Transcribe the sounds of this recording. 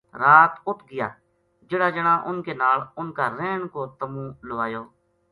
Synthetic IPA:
ɾaːt̪ʊʈʰɡɪja̰ː | d͡ʒɪːɽaːd͡ʒəɽãːʔʊnkeːnaːlʊnkaːɾeːɳkoːt̪əmũːləʋaːjoː

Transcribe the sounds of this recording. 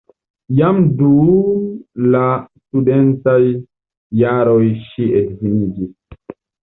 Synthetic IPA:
jamdu | lastudentajː | aɾojʃiedvinid͡ʒis

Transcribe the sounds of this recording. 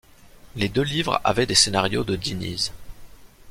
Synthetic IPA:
led̪ølivʁa̰vɛd̪esenaʁjod̪əd̪inḭz

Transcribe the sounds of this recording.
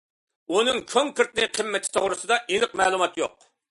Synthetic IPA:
unɨŋt͡ʃʰoŋkʰəɾt̪nɨqʰəmːɛt̪ʰːi̥t̪ʰoʁɾɨsɨd̪ɑʔinɨq̚mɛːlˠumɑt̪joq

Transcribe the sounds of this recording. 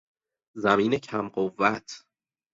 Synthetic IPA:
zæmiːnecʰæmɢovːæt̪ʰ

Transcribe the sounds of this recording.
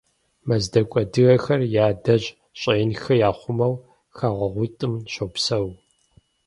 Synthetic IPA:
mɐzdɐkʷʼɔdɨɣɐxɐrjaːdɐʑ | ɕʼɐjɪnxɐjaːχʷʊmɐw | xaːʁʷɐʁʷʊtʼɨmʃɐwpsɐw

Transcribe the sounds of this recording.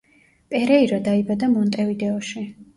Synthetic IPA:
pʼɛɾɛiɾɔd̪aibad̪amɔnt̪ʼɛvid̪ɛɔʃi

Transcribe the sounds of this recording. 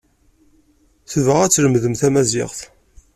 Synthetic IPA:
θəvəʁæt͡sːləmðəmθæmæzɪ̰ʁθ

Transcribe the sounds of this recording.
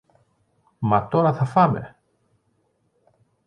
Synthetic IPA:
mɐt̪o̞ɾɐθɐfɐme̞̰

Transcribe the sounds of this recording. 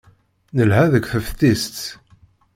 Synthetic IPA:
nəlɦæðəkʷθəfθist̪

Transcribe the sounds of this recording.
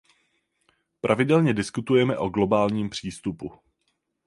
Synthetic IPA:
pɾʔavɪdɛlɲɛdɪskut̪ujɛmɛʔo̞ɡlo̞baːlɲiːmpr̝̥iːst̪upu

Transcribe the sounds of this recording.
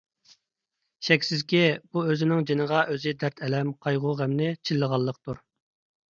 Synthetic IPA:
ʃɛkʲsɪzkʲɛb̥uøzɪnɪŋd͡ʒenəʁɑʔøzɪd̪æɾt̪ʰɛlɛmqʰɑjʁʊʁæmnɪt͡ʃʰilːəʁɑlˠːəq̚t̪uɾ

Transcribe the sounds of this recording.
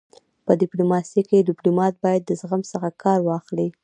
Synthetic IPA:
pədɪplumɑsikedɪplumɑt̪̚bɑjad̪ːəzɣamsəxakʰɑɾwɑxli

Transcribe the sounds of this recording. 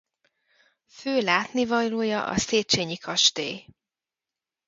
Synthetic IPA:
føːlaːt̪nivɒjloːjɒʔɒ̰seːt͡ʃeːɲikʰɒʃt̪eːj

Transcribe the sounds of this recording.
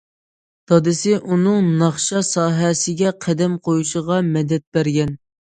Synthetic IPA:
d̪̥ɑd̪ɪsɪʔunɨŋnɑχʃɑsɑːɦɛsɪɡʲɛqʰæd̪ɛmqʰojuʃəʁɑmɛd̪ɛt̪̚bæɾɡʲɛn

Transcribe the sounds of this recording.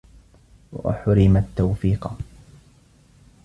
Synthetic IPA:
wa̰ʔa̰ħʊɾɪmat̪ːawfiːq

